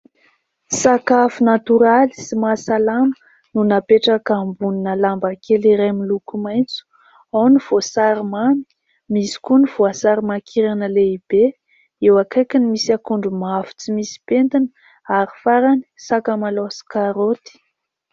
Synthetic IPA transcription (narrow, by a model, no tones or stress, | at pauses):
sakafunat̪uɾali̥simasalamə̥ | nunapeʈ͡ʂakambuninəlambakeliɾemilukumajnt͡su̥ | awniv̥osaɾimami̥ | misi̥koniv̥oasaɾimakʰiɾanəleib̥e | ewakajkinimisakuɳɖ͡ʐumavu̥t͡simisi̥pent̪inə̥ | aɾifaɾani̥sakamalosi̥kaɾot̪i̥